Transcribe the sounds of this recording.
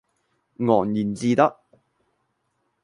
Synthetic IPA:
ŋɔː˨˩njiː˨˩nt͡siː˧t̪ɐ˥k̚

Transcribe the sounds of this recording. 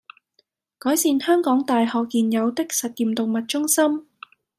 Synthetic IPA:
kɔː˨˥jsiː˨˧nhœː˥ŋkɔː˨˥ŋt̪aː˨jhɔː˨kːiː˨njɐ˨˧wt̪ɪ˥k̚sɐ˨t̚jiː˨˩mt̪o˨ŋmɐ˨t̚t͡ʃʊ˥ŋsɐ˥m

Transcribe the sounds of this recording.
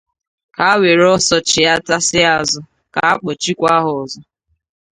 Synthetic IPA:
ka˨a˦we˨ɾɔ˦sɔ˦t͡ʃɪ˨a˦ta˦sɪ˦a˨zʊ˨ | ka˨a˦k͡pɔ˨t͡ʃi˦kʷa˦ɦʊ˨ɔ˨zɔ˦

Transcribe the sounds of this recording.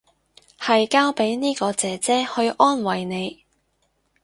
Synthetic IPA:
hɐ˨jkaː˥wpe˨˥jniː˥kɔː˧t͡sɛː˨t͡sɛː˥hɵ˧ɥʔɔː˥nwɐ˨jne˨˧j

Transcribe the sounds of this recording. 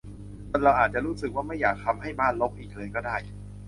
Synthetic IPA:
o˧nɾa˧wʔaː˨˩t̪̚t͡ɕa˨˩ɾuː˦˥sɯ˨˩k̚waː˥˩ma˥˩jːaː˨˩k̚t̪ʰa˧mɦa˥˩jbaː˥˩nlo˦˥k̚ʔiː˨˩k̚lɤː˧jkɔː˥˩daː˥˩j

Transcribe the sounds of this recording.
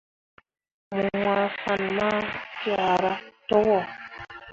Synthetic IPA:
mu˨ŋa˨fa˨n˨ma˦tja˨ɾa˦tɔ˦wɔ˦˨

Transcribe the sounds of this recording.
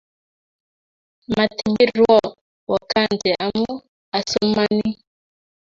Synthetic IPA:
ma˨ti˨mbi˦ɾwɔ˦˨ | wɔ˨ka˦˨n˨dɛ˨ʔa˨mu˦ | a˨so˦ma˦ni˦

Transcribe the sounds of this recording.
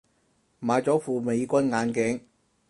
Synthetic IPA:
maː˨˧jt͡sɔː˨˥fuː˨me˨˧jkʷɐ˥nŋaː˨˧nkɪ˨˥ŋ

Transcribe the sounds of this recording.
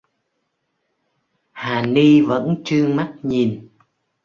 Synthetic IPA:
haː˨˩ni˧və̰˧˥nt͡ɕɨ˧əma˦˥t̚ɲi˨˩n

